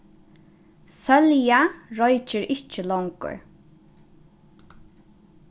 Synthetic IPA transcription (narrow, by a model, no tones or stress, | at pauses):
sœljaɹɔjt͡ʃɪɹɪht͡ʃəlɔwŋkʊ̰ɹ